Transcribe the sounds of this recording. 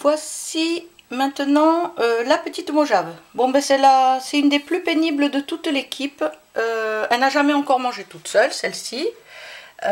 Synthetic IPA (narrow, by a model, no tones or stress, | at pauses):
vwasi | mɛ̃t̪ənɑ̃ølapət̪it̪moʒavbɔ̃bɛsɛlasɛynd̪eplypenibləd̪ət̪ut̪lekʲʰip | øɛlnaʒamɛɑ̃kɔʁmɑ̃ʒet̪ut̪sœlsɛlsi